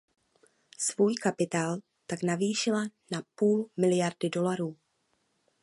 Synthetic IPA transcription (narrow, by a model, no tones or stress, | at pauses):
svuːjkapɪt̪aːl | t̪aknaviːʃɪlanapuːlmɪlɪjaɾdɪdo̞laɾuː